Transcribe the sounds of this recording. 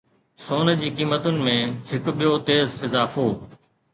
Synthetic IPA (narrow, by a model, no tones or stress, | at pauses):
soːnə̆d͡ʑiːkiːmət̪ʊnɪ̆mẽhɪkɓijot̪eːzɪzaːfoː